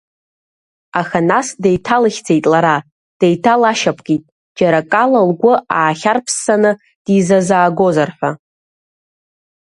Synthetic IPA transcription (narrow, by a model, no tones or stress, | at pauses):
axanasdejtʰalɨχʲd͡ze̞jtʼlaɾa | d̥ejtʰalaʃapʰʼɡ̥itʼ | d͡ʒaɾakʼalalɡʷʊaːχʲarpʰsːanɨ | d̥izazaːɡo̞zarħʷᶣa